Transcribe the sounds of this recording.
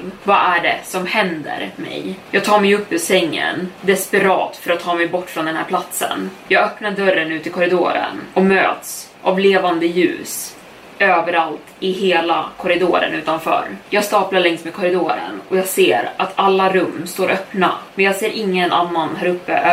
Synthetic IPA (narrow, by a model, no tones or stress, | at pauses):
vaʔæɖɛ̰sɔmhɛnd̪ə̰ɾmɛ̰jjɑːɡt̪ʰɑːɾmɛjɵpːɵsɛŋːə̰nd̪ɛspɛɾɑ̰ːt̪fœɾat̪ʰːɑːmɛjbɔʈːfɾɔnd̪ɛnhæ̰ɾpʰlat̪sə̰njɑːɡœpnaɖœɾːənʉ̟ːt̪ɪkʰɔɾɪd̪o̰ːɾə̰nɔmø̰ːt̪s | ʔavleːvand̪əjʉ̟̰ːs | øːvəɾalt̪ɪɦeːlakʰɔɾɪd̪oːɾə̰nʉ̟ːt̪anfœ̰ːɾjɑːɡst̪ɑːplaɭɛŋsmeːd̪kʰɔɾɪd̪oːɾə̰nɔjɑːɡseːɾat̪ʰalːaɾɵmːst̪oːɾʔœpna̰mɛnjɑːɡseːɾʔɪŋːənʔanːanɦæːɾɵpːə̰